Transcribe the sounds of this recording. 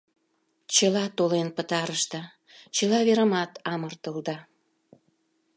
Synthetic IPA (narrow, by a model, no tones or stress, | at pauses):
t͡ɕəlɑt̪olenpət̪ɑɾəʃt̪ə | t͡ɕəlɑβeɾəmɑt̪ɑmərt̪əld̪ɑ